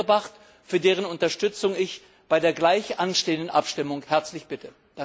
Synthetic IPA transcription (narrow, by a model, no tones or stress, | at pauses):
ɐbaχt | fyːɐdeːʁ̞ənʊntɐʃtʏt͡sʊŋɪç | b̥aɪdeːɐɡlaɪçʔanʃteːəndənʔapʃtɪmʊŋhɛɐt͡slɪçb̥ɪtʰə | d̥a